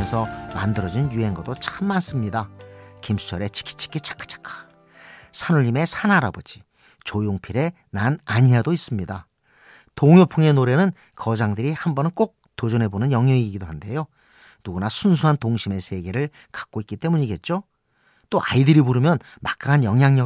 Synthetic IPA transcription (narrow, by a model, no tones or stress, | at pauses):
nsʰʌma̰ndɯɾʌd͡ʑinjue̞nɡʌdot͡ɕʰamːans͈ɯmɲidakimsʰu̥t͡ɕʰʌɾe̞t͡ɕi̥kʰi̥t͡ɕʰi̥kʰit͡ɕʰḁk͈ʰḁt͡ɕʰḁkʰḁ | sʰanuʎːime̞sʰanaɾa̰bod͡ʑi | t͡ɕojoŋpʰiɾe̞ | nanaɲiadois͈ɯmɲida | toŋjopʰuŋe̞noɾe̞nɯn | kʌd͡ʑaŋdɯɾihambʌnɯnk͈ok̚t͈od͡ʑune̞bonɯnjʌŋjʌiɡiɡidohande̞jo | nuɡunasʰuns̬ʰuɦantoŋɕʰime̞sʰeɡe̞ɾɯɭ | kḁk̚k͈oik͈it͈e̞muɲiɡe̞t̚t͡ɕ͈o | t͈oʔa̰idɯɾibuɾɯmjʌn | mak͈aanjʌŋjaŋɲʌ